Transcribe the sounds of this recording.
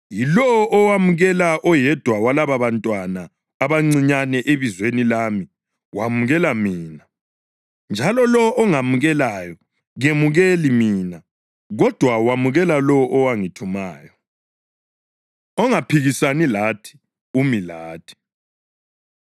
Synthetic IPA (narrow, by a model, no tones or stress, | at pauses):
jilɔɔʔɔwamuɣɛlaʔɔjɛd̥ʱwawalaβaβantʼwanaː | βaŋ͡ǀiɲanɛʔeβizwenilaːmi | wamuɣɛlamiːna | nd͡ʒʱalɔlɔʔːŋamuɣɛlajɔ | ɣemuɣelimiːna | ɣɔd̥ʱwawamuɣɛlalɔʔɔwaŋitʰuma̰ːjɔ | ɔŋapʰiɣisanilatʰi̥ | umilaːtʰi̥